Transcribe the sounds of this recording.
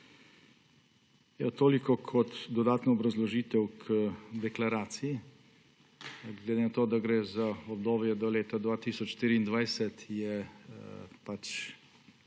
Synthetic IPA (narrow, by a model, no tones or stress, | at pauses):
jat̪oːlikɔkʰɔt̪d̪ɔd̪aːt̪nɔɔbɾɐzlɔʒiːt̪ɛwkʰd̪ɛklaɾaːt̪siji | ɡled̪enat̪oːd̪aɡɾeːzaɔbd̪oːbjɛd̪ɔleːt̪ad̪ʋaːt̪iːsɔt͡ʃʃt̪iːɾiiːnd̪ʋajsɛt̪jɛ | pat͡ʃ